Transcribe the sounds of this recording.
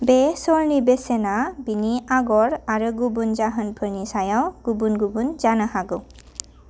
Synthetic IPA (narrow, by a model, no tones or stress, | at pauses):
besɔɹnibesenabiniaɡɔɾaɾɯɡubund͡ʒaɦənpʰəɾnisajawɡ̥ubunɡubunzanəhaɡɯ